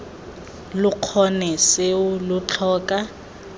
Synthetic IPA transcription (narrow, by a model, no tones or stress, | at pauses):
lʊq͡χʰɔnɛsɪʊlʊt͡ɬʰɔːkʼa